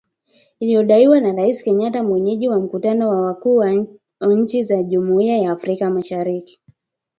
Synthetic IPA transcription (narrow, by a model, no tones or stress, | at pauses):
ilijɔɗaiwanaɾaisi̥kɛɲatamwɛɲɛʄiwam̩kutanɔwaakuːwa | waɲ̩t͡ʃizaʄumuiajaːfɾikamaʃaɾiki̥